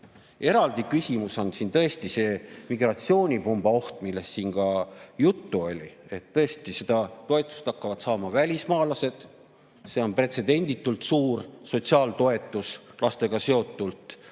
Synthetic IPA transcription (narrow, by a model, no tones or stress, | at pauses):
e̞ɾɑld̪̥ikysʲimusɑnsint̪ɤ̞e̞st̪ise̞ːmiɡ̥rɑt̪sio̞ːnʲipumb̥ɑo̞ht̪milːe̞sːiːnɡɑjut̪ːuo̞lʲie̞t̪ːɤ̞est̪ised̪̥ɑt̪o̞e̞t̪ːˑu̥st̪ɑkːɑvɑd̪sɑːmɑvælʲismɑːlɑse̞d̪̥ | se̞ːo̞npre̞t̪se̞d̪̥e̞nʲd̪it̪ːˑult̪suːrso̞t̪siɑːlt̪o̞e̞t̪ːˑuslɑst̪e̞ɡ̥ɑse̞o̞t̪ˑːult̪ˑ